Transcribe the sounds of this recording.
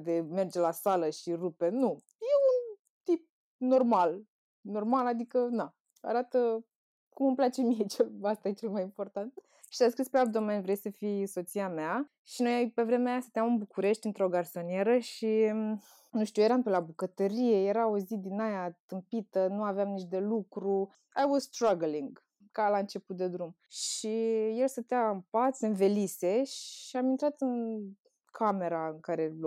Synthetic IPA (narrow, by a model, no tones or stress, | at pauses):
d̪e̞me̞rd͡ʒe̞lasaləʃirupe̞nu | je̞un | t̪ip̚ | no̞rmal | no̞rmalad̪ikəna | a̰ɾat̪ə | kuməmplat͡ʃe̞mije̞t͡ʃelast̪ajet͡ʃe̞lmajimpo̞rt̪ant̪̚ | ʃi̥saskɾispeab̚d̪o̞menvɾe̞jsəfijso̞t̪siamea | ʃino̞jjpe̞vɾe̞meajasɨnt̪ejamɨnbukuɾe̞ʃt̪ʲɨnt̪ɾo̞ɡarso̞nie̞ɾəʃi | nuʃt̪ʲuje̞ɾampelabukət̪əɾije̞je̞ɾaozid̪inajat̪ɨmpit̪ənuaveamnit͡ʃd̪e̞lukɾu | ajwɔzst̪ɾaɡliŋɡ | kalaɨnt͡ʃe̞put̪̚d̪e̞d̪ɾum | ʃije̞lsət̪eaɨmpat̪sɨnve̞lise̞ʃiamint̪ɾat̪ɨn | kʰame̞ɾaɨŋkaɾe̞l